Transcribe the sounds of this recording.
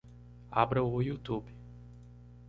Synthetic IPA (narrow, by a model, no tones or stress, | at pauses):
a̰bɾɐojut̪ubɪ